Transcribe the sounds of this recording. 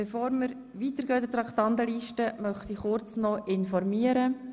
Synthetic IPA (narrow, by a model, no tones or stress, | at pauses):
b̥efoːɾməɾ | ʋiːt̪əɾɡøːd̪ət̪ɾɑkt̪ɑnt̪əliːʃtəmœχt̪iχʊɾt͡snɔʔɪnfɔɾmiːəɾə